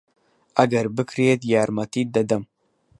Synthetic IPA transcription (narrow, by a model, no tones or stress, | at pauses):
ʔɐɡɐɾbɨkʰɾet̪jaːɾmɐt̪iːd̪ɐd̪ɐm